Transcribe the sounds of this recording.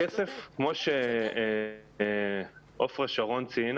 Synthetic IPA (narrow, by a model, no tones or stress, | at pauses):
esefkmoʃe | ʔofʁeʃaʁo̞nt͡siin